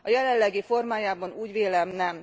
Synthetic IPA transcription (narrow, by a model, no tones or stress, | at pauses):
ɒjɛlɛlːɛɡifo̞rmaːjaːbɒnuːɟʋeːlɛmnɛm